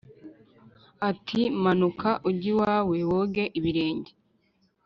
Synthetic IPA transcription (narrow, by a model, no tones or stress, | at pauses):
atʰimanukʰaʔuɟiwaːwe̞woɡe̞ʔiβiɾe̞ːɲɟe